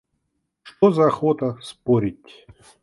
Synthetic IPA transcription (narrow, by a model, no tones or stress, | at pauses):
ʂt̪ozɐːxot̪əspoɾʲɪtʲ